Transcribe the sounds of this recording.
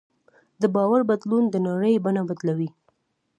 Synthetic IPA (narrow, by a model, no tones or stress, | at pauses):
d̪əbɑwaɾbad̪lund̪ənaɽəjbanawad̪lawi